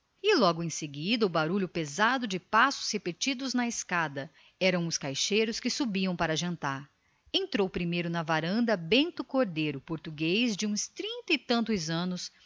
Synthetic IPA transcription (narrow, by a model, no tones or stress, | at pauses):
ɪlɔɡʊẽseɡid̪ɐʊbaɾuʎʊpezad̪ʊd͡ʒɪpasʊ̥shepet͡ʃid̪ʊznɐeskad̪ɐ | ɛɾɐ̃w̃ʊskajʃejɾʊskɪsubiɐ̃w̃paɾɐʒɐ̃nt̪aɾ | ẽnt̪ɾowpɾimejɾʊnɐvaɾɐ̃nd̪ɐbẽnt̪ʊkoɾd̪ejɾʊpoɾt̪uɡejzd͡ʒɪũst̪ɾĩnt̪ɐɪt̪ɐ̃nt̪ʊzɐ̃nʊs